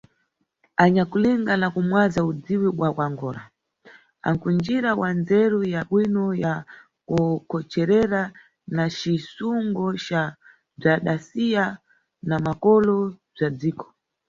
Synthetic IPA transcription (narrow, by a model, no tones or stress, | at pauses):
aɲakuliŋɡanakumwazaud͡ziwiɓwakwaŋɡɔːla̰ | a̰ŋkund͡ʒiɾawand͡zɛɾujaɓwinɔja | kukɔt͡ʃɛɾɛɾa | nat͡ʃisuŋɡɔt͡ʃa | b͡ʐaɗasija | namakɔlɔb͡ʐad͡ziːkɔ̥